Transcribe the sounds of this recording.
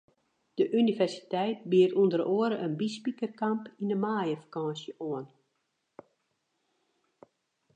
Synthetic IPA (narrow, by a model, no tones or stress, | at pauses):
d̥əʔynivɛrsi̥tɛjt̚biəɾundəɾoəɾəʔənbispikərkampinəmaːjəfḁkɔ̃ːsjəʔoən